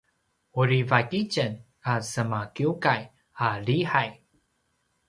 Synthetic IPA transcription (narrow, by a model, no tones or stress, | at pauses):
uɾivakicən | asəmakiukaj | aɾiħaj